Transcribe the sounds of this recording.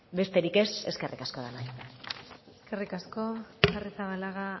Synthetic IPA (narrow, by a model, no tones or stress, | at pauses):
be̞st̪e̞ɾike̞se̞ske̞rʔḭkasko̞ðanaj | eske̞rikasko̞sarisaβalaɣa